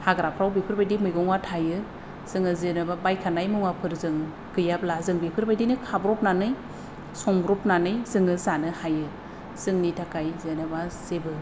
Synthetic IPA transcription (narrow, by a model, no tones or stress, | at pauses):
haɡɾapʰɾawbikʰɯɾbajdimɯjɡɔŋwatʰajɯ | z̥ɯŋɯzɯnɯbabajkʰanajmɯŋwapʰɯɾzɯŋ | ɡ̥ɯjaplazɯŋbikʰɯɾbajdinɯkʰabɾɔp̚nanɯj | sɔŋbɾɔpnanɯjzɯŋɯzanɯhajɯ | z̥ɯŋnitʰakajzɯnɯbaz̥ebɯ